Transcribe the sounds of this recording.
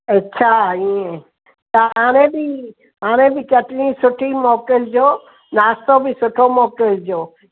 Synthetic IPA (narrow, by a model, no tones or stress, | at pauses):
ɐtːɕʰaiẽ | t̪ɐɦaːɽ̃ẽbɪ | ɦaːɽ̃ẽbɪkɐʈɪɽĩsʊʈʰimɔːkɪld͡ʑoː | naːst̪obɪsʊʈʰomɔːkɪld͡ʑoː